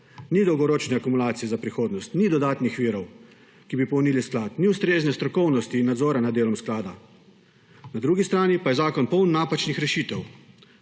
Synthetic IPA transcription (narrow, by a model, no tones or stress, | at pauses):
nid̪ɔwɡɔɾoːt͡ʃnɛakumulaːt̪sijɛzapɾixoːd̪nɔst̪nid̪ɔd̪aːt̪nixʋiːɾɔw | kibipɔwniːlisklaːt̪niʊst̪ɾeːznɛst̪ɾɔkɔwnɔst̪inad̪zɔːɾanad̪ːeːlɔmsklaːd̪a̰ | nad̪ɾuːɡist̪ɾaːnipajɛzaːkɔnpɔwnːaːpat͡ʃnixɾɛʃiːt̪ɛw